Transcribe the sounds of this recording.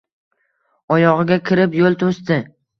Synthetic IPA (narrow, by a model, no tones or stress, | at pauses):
ɒjɒʁɨɡʲakʲʰɪɾɪpjolˠt̪ʰost̪ɪ